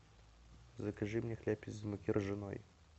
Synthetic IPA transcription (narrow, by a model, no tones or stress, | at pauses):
zɐkɐʐɨmnʲɛxlʲapʲɪt͡sʲzmʊkʲirʐɨnɔ̰j